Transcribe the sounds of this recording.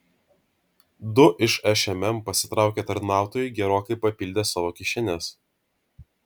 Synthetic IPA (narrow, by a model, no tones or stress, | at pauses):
d̪ʊʔɪʃɛʃʲɛmʲɛmpɐsʲɪ̥t̪ɾɑˑʊkʲeːt̪ɐɾʲnɑˑʊt̪oːjɛɪɡʲɛɾoːkɐɪpɐpʲɪlʲd̪ʲeːsɑːʋoːkʲɪʃʲɛnʲes